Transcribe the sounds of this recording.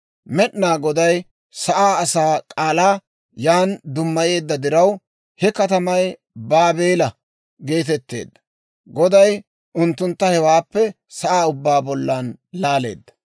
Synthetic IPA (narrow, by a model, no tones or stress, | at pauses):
mɛɗnaːɡɔd̪ɐj | sɐʔaːɐsaːkʼaːlaː | jaːnd̪ʊmːɐje̞ːd̪ːɐd̪ɪɾɐw | hɛkɐt̪ɐmɐj | baːbe̞ːlɐ | ɡe̞ːt̪̬ɛt̪ːe̞̰ːd̪ːɐ̥ | ɡɔd̪ɐj | ʔʊnt̪ːʊnt̪ːɐhɛwaːpːɛ | sɐʔaːʊbːaːbɔlːanlaːle̞̰ːd̪ːɐ̥